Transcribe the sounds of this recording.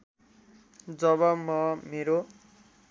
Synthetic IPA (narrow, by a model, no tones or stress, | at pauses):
d͡zʌbʌmʌmeɾo